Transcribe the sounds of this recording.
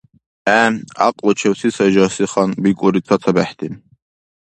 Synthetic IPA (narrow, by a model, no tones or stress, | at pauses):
æa̰qʼlɔt͡ʃʰɛwsisad͡ʒasiχanbikʼɔɾit͡s̪ʰat͡s̪ʰabæħt̪ʰim